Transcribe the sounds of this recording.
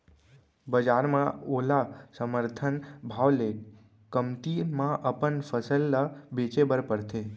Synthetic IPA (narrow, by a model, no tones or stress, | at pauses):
bəd͡ʒaɾmãolasəməɾt̪ʰənbʱaʋle | kəmt̪imãʔəpəɳfəsəlːəbet͡ʃebəɾpəɾt̪ʰe